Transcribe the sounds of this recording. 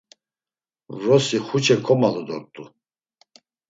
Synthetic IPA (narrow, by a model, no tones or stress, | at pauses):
vɾɔsiχut͡ʃʰɛkʰɔmalɔd̪ɔɾt̪ʼu